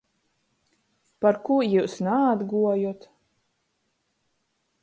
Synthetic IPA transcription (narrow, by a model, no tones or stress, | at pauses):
paɾkuɔjuːsnaːd̪ɡuɔjut̪